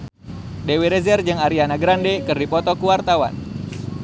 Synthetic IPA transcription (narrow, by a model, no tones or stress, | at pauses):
deweɾɛzɛrd͡ʒɨŋaɾianaɡɾandɛkɨrdipɔt̪ɔkuwart̪awa̰n